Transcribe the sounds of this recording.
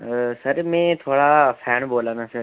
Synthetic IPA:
sɐɾmẽːt̪ʰoːɽafʰɛːnboːlãːnd̪aːsɐɾ

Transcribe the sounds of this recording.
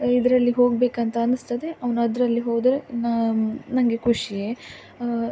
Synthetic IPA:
id̪ɾɐlːiɦo̞ːɡ̚beːkɐnt̪ɐɐnɨst̪ɐd̪eɐʋɐnɐd̪ɾɐlːiɦoːd̪ɐɾennɐŋɡekʰuʂije

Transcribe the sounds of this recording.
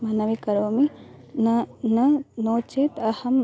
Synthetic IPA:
mɐnɐʋikɐɾoːminnɐnoːt͡ʃeːt̪ɐhɐm

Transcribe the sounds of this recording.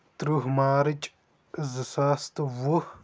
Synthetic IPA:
t̪ɾuɦmaːɾɨt͡ʃʼ | zɨsaːst̪ʋuh

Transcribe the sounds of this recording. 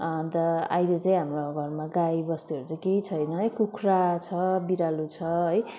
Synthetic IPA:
t̪ʌa̰jlet͡saĩɦamroɡʱʌrmaɡajbʌst̪uʌɾut͡saj̃kejt͡sʰʌjnʌɦjkukʰrat͡sʰʌbiɾalut͡sʰʌɦʌj

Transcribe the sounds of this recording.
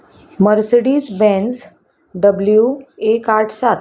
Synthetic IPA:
məɾsɽiːsbɛ̃ns | ɖəbljuekaɾʈʰsat̪

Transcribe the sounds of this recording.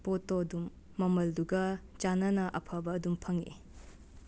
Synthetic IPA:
potodumː | ɐmɐlduɡɐt͡ʃanɐnɐʔɐpʰɐbɐːdumpʰɐŋḭ

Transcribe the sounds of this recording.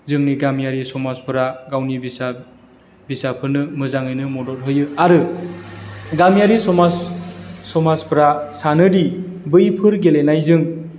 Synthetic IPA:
zɯŋniɡamjaɾisɔmaspɯɾaɡawnibisa | bisapʰɯɾnɯmɯzaŋɯjnɯmɔdɔt̚ɦɯjɯaɾɯ | ɡamjaɾisɔma | sɔmaspɾasanɯdibɯjpʰɯɾɡelenajzɯŋ

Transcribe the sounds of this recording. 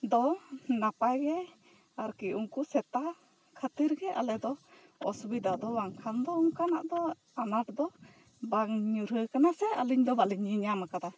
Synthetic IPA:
d̪ɔnapajɡɛ | aɾkiʔuŋkusɛt̪a | kʰət̪iɾɡɛʔa̰lɛd̪ɔ | ɔsbid̪ad̪ɔwaŋkʰand̪ɔuŋkanaʔd̪ɔ | anaʈd̪ɔ | baŋɲuɾəkanasɛaliɲd̪ɔbaliɲiɲamakad̪a

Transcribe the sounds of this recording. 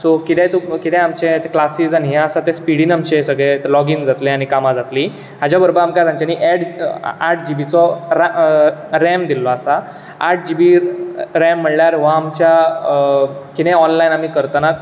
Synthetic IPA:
sokit̪ɛ̃t̪okit̪ɛ̃amt͡ɕet̪eklasiːzaniɦɛ̃asat̪ẽspiɽiːnamt͡ɕesəɡɭelɔɡind͡zat̪lẽaɽ̃ikamad͡zat̪li | ɦad͡ʑjabəɾbəɾamkad͡zamt͡ɕaniʔɛʈaʈ̚ʰd͡ʑibit͡sɔɾa | ɾɛmd̪ilːɔasa | aʈ̚ʰd͡ʑibiɾɛ̃mːəɽljaɾʋãːmt͡ɕja | kit̪ɛ̃ɔnlainamiːkəɾt̪ana

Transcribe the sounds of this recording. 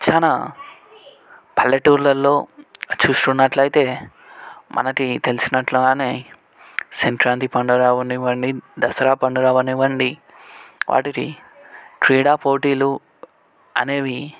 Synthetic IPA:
t͡ʃɐna | pʰɐlːɐʈuːɾlɐlːo̞ːt͡ʃuːsʈ̪unːɐʈlɐjt̪e̞ː | mʔɐ̰nɐkit̪e̞lisinɐʈluɡaːneː | senʈɾaːnt̪ipɐɳɖuɾaːʋɐniʋɐɳɖid̪ɐsɐɾaːpɐɳɖuɾaːʋɐniʋɐɳɖi | ʋʔa̰ːʈikḭ | ʈɾiːɽaːpoːʈiːlu | ɐ̰neːʋi

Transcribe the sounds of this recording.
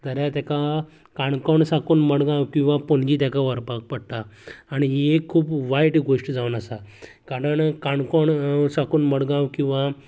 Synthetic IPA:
d̪əɾjat̪aka | kaɳkɔɳsakuːnməɽɡãwkĩw̃ʋapoɳd͡ʑiːt̪̬jakaʋəɾpak̚pəɽt̪aːɽ̃iɦekʰuːpʋajʈɡoʂʈd͡zaʋənəsa | kaɾəɳkaɳkɔɳsakuːnməɽɡãwkĩw̃ʋa

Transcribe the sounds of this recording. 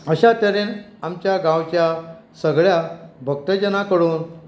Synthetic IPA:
əɕat̪eɾen | amt͡ɕjaɡãwt͡ɕja | səɡɭjabʱək̚t̪əd͡ʑənakəɽuːn

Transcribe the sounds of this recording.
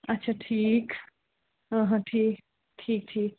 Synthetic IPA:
ɐtːʃʰaʈʰiːk | ɦãɦãʈʰiːk | ʈʰiːk̚ʈʰiːk̚

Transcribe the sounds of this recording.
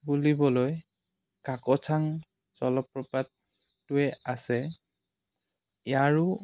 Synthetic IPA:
bulibɔloj | kakɔt͡ʃʰaŋ | zɔlɔpːɹɔpatː | ʊɛasɛ | jaɹʊ

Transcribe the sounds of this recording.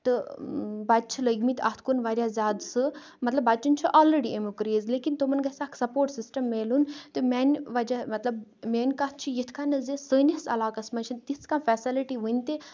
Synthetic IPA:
t̪ɨbaːd̪t͡ʃʰiləɡmit̪ɐ̰t̪ʰkonʋaːɾʲjaːzʲaːd̪sɨ | mɐt̪lɐbːaːt͡ʃunʲt͡ʃʰuʔaːlɾeɽiemukɾizleːkint̪omɐnɡɐsaːkʰsɐpoːɾʈsisʈɐmːeːlunt̪ɨmʲaːnʲʋad͡ʒamɐt̪lɐbmeːnʲkaːt̪̚ʰt͡ʃʰijet̪ʰkanɐzesəːnʲɐsɐ̰laːkɐsmɐt͡ʃʰint̪iskaːnfɛːsiliʈiʋənʲt̪e

